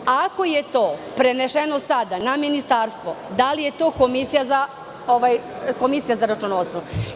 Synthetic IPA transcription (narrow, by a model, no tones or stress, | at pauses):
ako̞jet̪o̞ːpɾe̞neʃenosad̪anaminist̪aɾst̪ʋod̪alije̞t̪o̞ːko̞misijaza | oʋajko̞misijazaɾat͡ʃunosnou